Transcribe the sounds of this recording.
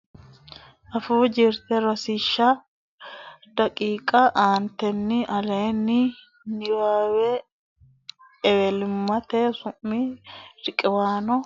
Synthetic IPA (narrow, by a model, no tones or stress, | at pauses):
ʔɐfuːd͡ʒɪɾt̪ɛɾɔsɪʃːɐ | d̪̥ɐkʼiːkʼɐʔaːnt̪ɛnːɪʔɐleːnːɪ | nɪwaːwɛ | ɛwɛlɪmːɐt̪ɛsʊmːiɾɪkʼɪwaːnɔ